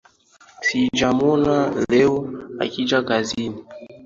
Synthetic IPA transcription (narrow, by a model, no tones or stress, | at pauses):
sid͡ʒamɔnalɛɔa̰kid͡ʒakazini